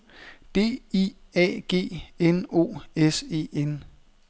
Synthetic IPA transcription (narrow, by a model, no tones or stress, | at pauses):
d̥e̝̰ːiɛ̰ːɡ̥e̝̰ːeno̝̰ːese̝̰ːen